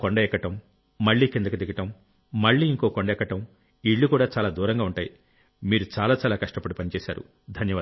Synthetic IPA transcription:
koɳɖɐɛkːɐʈɐmː | ɐɭːiːkind̪ɐkud̪iɡɐʈɐmː | ɐɭːiːiŋko̞ːkoɳɖɐɛkːɐʈɐm | iɭːukuːɽaːt͡ʃaːlaːd̪uːɾɐŋɡaːuɳʈaːji | miːɾut͡ʃaːlaːt͡ʃaːlaːkɐʂʈɐpɐɽipɐnit͡ʃɛːsa̰ːɾṵ | d̪ʱɐnjɐʋa

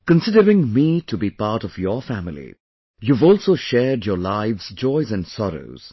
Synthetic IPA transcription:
kə̃nsɪdəɹɪ̃ŋmiːtʰubipaɾtɔvjəfæmɪlḭ | juːvɔːlˠsoːʃɛdjɔlaɪʋz̥d͡ʒɔɪzæ̃nɖsɔɾo̰ʊz̥

